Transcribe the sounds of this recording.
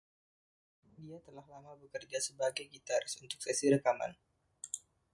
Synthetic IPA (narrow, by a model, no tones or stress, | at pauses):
diat̪əlahlamabəkərd͡ʒasəbaɡajɡit̪aɾsunt̪ʊ̥k̚sɛsiɾəkama̰n